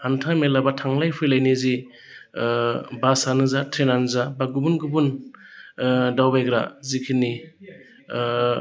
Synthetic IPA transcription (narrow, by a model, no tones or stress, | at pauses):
antʰamelabatʰaŋlajpʰɯjlajnizi | basanɯzatʰɾenanzabaɡubunɡɯbun | dawbajɡɾa̰zikʰini